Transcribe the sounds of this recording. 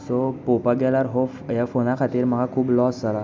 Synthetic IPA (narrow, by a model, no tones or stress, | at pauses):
sopopaɡɛlaɾɦofjafonakʰat̪iːɾm̤əɡʱakʰuːblɔsd͡zala